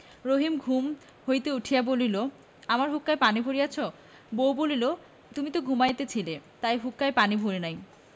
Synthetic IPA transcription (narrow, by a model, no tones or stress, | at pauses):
ɾoɦimɡʱum | hojt̪euʈʰijabolilo | amaɾɦukːaepanibʱoɾijat͡ɕʰo | bowbolilo | t̪umit̪oɡʱumajet̪et͡ɕʰilet̪ajɦukːaepanibʱoɾenaj